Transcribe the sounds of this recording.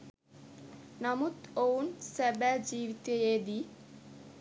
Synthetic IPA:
nɔmut̪ownsebɛd͡ʑiʋit̪eed̪i

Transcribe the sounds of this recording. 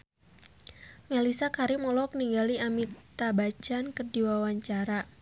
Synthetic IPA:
melisakaɾimɔlɔk̚niŋɡaliamit̪abad͡ʒankərdiwawaɲt͡ʃaɾa

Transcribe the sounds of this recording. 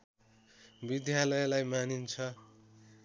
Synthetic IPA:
bid̪jalʌjlajmanint͡sʰʌ

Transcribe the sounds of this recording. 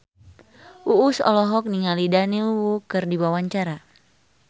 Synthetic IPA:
ʔuːsɔ̰lɔɦɔk̚niŋalidanilwukɨrdiwawaɲt͡ʃaɾa

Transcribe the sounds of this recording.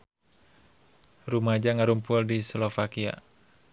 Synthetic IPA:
rumad͡ʒaŋaɾumpʊldislofakia̰

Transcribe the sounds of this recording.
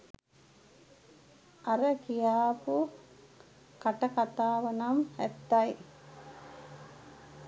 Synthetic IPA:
aɾəkijaːpu | kaʈɐkat̪aːʋənamæt̪ːaj

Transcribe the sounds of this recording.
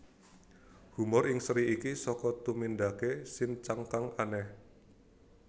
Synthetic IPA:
humɔrɪŋsɾiikisɔkɔt̪umind̪akesɪŋt͡ʃaŋkaŋanɛh

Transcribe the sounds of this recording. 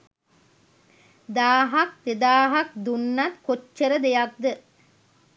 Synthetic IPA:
d̪aːɦɐk̚t̪ɪd̪aːɦɐk̚d̪unːɐt̪kɔt͡ʃːɐɾɐd̪ejak̚d̪ɯ

